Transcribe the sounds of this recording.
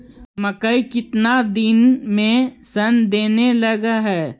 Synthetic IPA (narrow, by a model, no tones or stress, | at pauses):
mɐkəikɪt̪nad̪ɪnmẽsɐnd̪eːnelɐɡaɦɛː